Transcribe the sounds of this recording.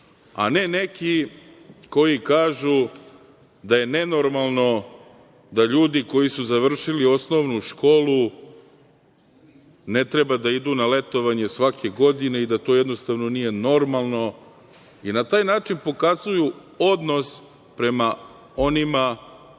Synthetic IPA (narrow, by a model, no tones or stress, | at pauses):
a̰ne̞ne̞ki | ko̞jikaːʒu | d̪aje̞ne̞no̞ɾmalˠno̞ | d̪aʎuːd̪iko̞jisuzaʋr̩ʃilio̞sno̞ʋnuʃko̞ːlu | ne̞t̪ɾebad̪aid̪unale̞t̪o̞ʋaɲe̞sʋake̞ɡo̞d̪ine̞id̪at̪o̞jɛd̪no̞st̪aʋno̞nije̞no̞ɾmalˠno̞ | inat̪aːjnaːt͡ʃinpo̞kazuju | o̞d̪no̞s | pɾe̞ma | o̞nima